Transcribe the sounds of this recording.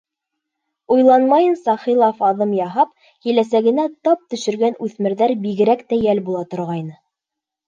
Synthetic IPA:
ujlˠɑnmɑjɤnsɑχilˠɑfɑðɤmjɑɦɑp | kilæsæɡɘ̆næt̪ɑp̚t̪ɵ̆ʃɘ̆ɾɡænʉθmɘ̆ɾðæɾbiɡɘ̆ɾækt̪æjælbulˠɑt̪ŏɾʁɑjnɤ

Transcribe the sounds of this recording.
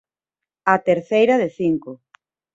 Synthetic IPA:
at̪eɾθejɾaðeθiŋko

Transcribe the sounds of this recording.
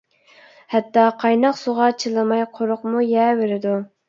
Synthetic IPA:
hɛt̪ːɑqʰɑjnɑqsoʁɑt͡ʃʰɨlˠɨmɑjqʰoɾʊqmujɛːveɾɪd̪u

